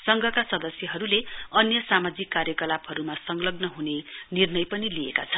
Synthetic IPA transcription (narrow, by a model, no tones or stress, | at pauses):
sʌŋɡʱʌkasʌd̪ʌsjʌɦʌɾuleʌnjʌsamad͡zikːarjʌkʌlabɦʌɾumasʌŋlʌɡnʌɦunenirnʌjpʌniliḛka̰t͡sʰʌn